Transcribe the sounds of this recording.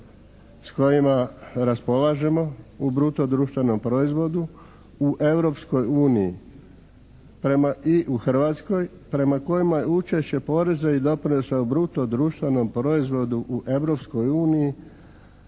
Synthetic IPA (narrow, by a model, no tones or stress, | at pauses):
sko̞jimaɾaspo̞laʒe̞mo̞ubɾut̪o̞d̪ɾuːʃt̪ʋeno̞mpɾo̞izʋo̞d̪u | uʔe̞ʋɾo̞psko̞juːnijḭ | pɾe̞maiʔuxr̩ʋat̪sko̞j | pɾe̞mako̞jimajeut͡ʃe̞ʃt͡ɕe̞po̞ɾe̞zaid̪o̞pɾino̞saubɾut̪o̞d̪ɾuːʃt̪ʋeno̞mpɾo̞izʋo̞d̪uʔuʔe̞ʋɾo̞psko̞juːniji